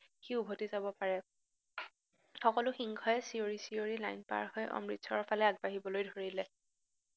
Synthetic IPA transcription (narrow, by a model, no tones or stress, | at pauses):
xiubʱotizabɔpaɹɛ | xɔkɔlʊxiŋkʰɔjɛsioɹisioɹila̰jnpa̰ɹhɔjʔɔ̰mɹitsɔɹpʰalɛaɡ̚baɦibɔlojdʱoɹilɛ